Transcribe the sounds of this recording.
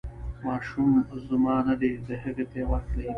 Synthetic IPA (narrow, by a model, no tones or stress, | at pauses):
mɑːʃumzʊmɑːnad̪ed̪əɦəɣet̪ewaxt̪lai